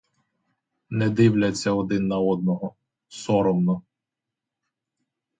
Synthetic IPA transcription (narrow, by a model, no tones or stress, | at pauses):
nɛd̪ɪwlʲɐt͡sʲːɐɔd̪ɪnːɐɔd̪nɔɦɔ | sɔɾɔmnɔ